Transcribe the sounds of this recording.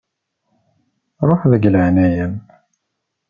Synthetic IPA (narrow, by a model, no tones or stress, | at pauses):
ɾˤoħðəɡləʕnæjæm